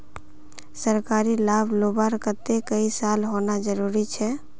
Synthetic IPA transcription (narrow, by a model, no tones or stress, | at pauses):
səɾkaɾilabʱlobaɾkət̪ekəisalɦonad͡ʒəɾuɾit͡ʃʰɛ